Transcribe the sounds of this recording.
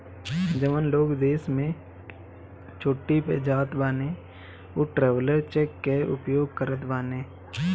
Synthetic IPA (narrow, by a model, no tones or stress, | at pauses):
d͡ʒəʋənloːɡd̪eːsmẽ | t͡ʃʰoːʈːipḛd͡ʒaːt̪baːneː | oːʈɾɛːʋləɾt͡ʃekːeʊ̰pjoːɡ̚kəɾət̪baːneː